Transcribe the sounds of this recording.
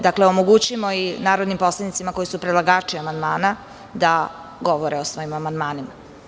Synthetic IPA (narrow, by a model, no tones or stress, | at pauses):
d̪akleomoɡut͡ɕimoinaːɾod̪nimpo̞slˠad̪nit̪simako̞jisupɾelˠaɡaːt͡ʂiamand̪maːna | d̪a | ɡoʋoɾeosʋo̞imamand̪maːnima